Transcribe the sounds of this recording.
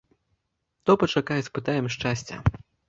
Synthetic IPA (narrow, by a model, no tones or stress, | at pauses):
t̪ɔpɐt͡ʂakajɛspɨt̪ajɛmʂt͡ʂasʲt͡sʲɛ̰